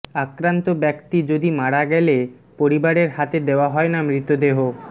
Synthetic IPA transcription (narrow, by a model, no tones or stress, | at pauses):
akɾant̪obɛkt̪id͡ʑod̪imaɽaɡɛle | poɾibaɾeɾhat̪ed̪eoaɦɔenamɾit̪od̪eɦo